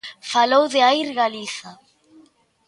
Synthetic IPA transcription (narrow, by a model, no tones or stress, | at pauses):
falowðɪaiɾɣaliθa